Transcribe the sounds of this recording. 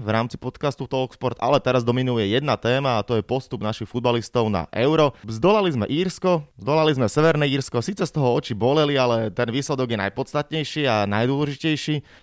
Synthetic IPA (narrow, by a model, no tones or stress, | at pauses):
vɾaːmt͡si̥pɔt̪kast̪ut̪ɔlkspɔɾt̪a̰lɛt̪ɛɾazd̪ɔminujɛjɛd̪nat̪ɛːmaːt̪ɔjɛpɔst̪ubnaʃixfud̪̚balist̪ɔʊna̰ʔɛʊɾɔzd̪ɔlalizmɛ̰ʔiːɾskɔzd̪ɔlalizmɛsɛʋɛɾnɛiːɾskɔsiːt͡sɛst̪ɔɦɔɔt͡ʃibɔlɛlialɛt̪ɛnʋiːslɛd̪ɔɡjɛna̰jpɔt͡st̪at̪ɲɛjʃiːanajd̪ʊɔlɛʒicɛjʃiː